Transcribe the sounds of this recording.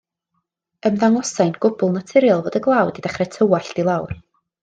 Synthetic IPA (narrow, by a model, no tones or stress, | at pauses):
əmðaŋɔsajnɡ̥ʊbʊlˠnatʰɪɾjalˠvoːdəɡlˠawdidaχrɛtʰəwaɬd̥ilˠawr